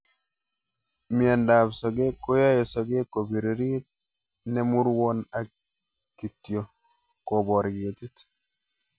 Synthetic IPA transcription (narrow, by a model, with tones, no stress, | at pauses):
mia˨nda˨bsɔ˨ɡe˦kːo˦ja˦je˨sɔ˨ɡe˦kːo˨bi˨ɾi˨ɾi˦t̚ | nɛ˦mu˦ɾwɔ˦na˨ | ki˨tjo˨ | ko˨bɔ˨ɾɡi˨ti˦t